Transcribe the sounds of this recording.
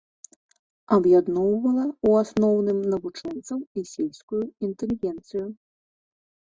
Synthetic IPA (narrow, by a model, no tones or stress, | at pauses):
ɐbjad̪nɔwvɐlˠɐuasnɔwnɨmnɐvut͡ʂɔnt̪sɐwisʲilʲskujuint̪ɛlʲiɣʲɛnt̪sɨju